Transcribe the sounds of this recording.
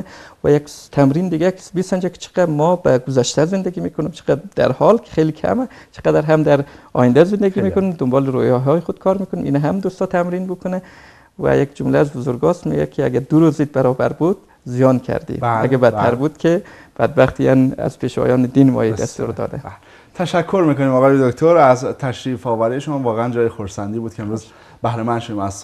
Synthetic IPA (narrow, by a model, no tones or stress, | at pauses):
væ̰jakt̪ʰæmɾind̪iɡæksbisænd͡ʒækʰɪ̥t͡ʃʰi̥qæmɔbæɡʊzæʃt̪ʰæzɪnd̪æɡimikʰʊnimt͡ʃʰi̥qæd̪æ̰ɾhɒlkʰɪ̥χelikʰæ̰mæt͡ʃʰi̥qæd̪æɾɦæmd̪æɾɒ̰jind̪æzɪnd̪æɡimikʊnimd̪ʊmbɒliɾojɒɦɒːiχʊd̪̥̚kʰɒɾmikʊniminæɦæmd̪ust̪ɔt̪ʰæmɾinbukʰʊnæ | væ̰jekd͡ʒʊmlææzbozoɾɡɒːst̪mḭɡæ̰kʰeæɡæd̪uɾuziːd̪̚bæɾɒːbæɾbuːd̪̥ | zijɒːnkʰæ̰ɾd̪ḭæɡæbæt̪ʰːæɾbuːd̪̥kʲʰeb̥æd̪̚bæχt̪ʰiænæ̰z̥pʰeːʃvɒ̰jɒːned̪iːnmɒ̰ːjid̪æ̰sst̪ṵɾd̪ɒ̰d̪æ̰ | t̪ʰæʃækʰːoɾmiːkonimɒːɣɒːjed̪okt̪ʰoɾæzt̪ʰæʃɾiːfɒːvæɾijeʃomɑːvɒːɣeænd͡ʒɒːjexoɾsænd̪iːbuːd̪̥̚kʰeemɾuːz | bæhɾemænd̪ʃod̪imæz